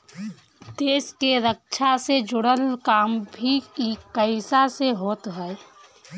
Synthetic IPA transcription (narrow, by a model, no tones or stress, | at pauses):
d̪eːskeɾək̚ʃʰased͡ʒʊɽəlkaːmbʱikikəɪsaseɦoːt̪ɦɛ